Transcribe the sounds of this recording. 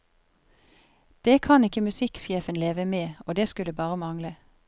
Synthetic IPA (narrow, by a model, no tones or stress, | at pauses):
d̪̥eːkʰɑnɪkəmʉsɪkʃeːfənleːʋəmeːoːd̪eːskʉləbɑːʁəmɑŋlə